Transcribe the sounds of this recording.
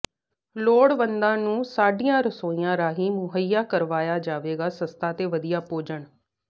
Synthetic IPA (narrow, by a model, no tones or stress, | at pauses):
loːɽbənd̪ãːnũːsaːɖijãːɾəsoːĩjãːɾaːɦiːmʊɦəijaːkəɾʋaːjaːd͡ʒaːʋeːɡaːsəst̪ʰaːt̪eːʋəd̪ijaːpoːd͡ʒəɳ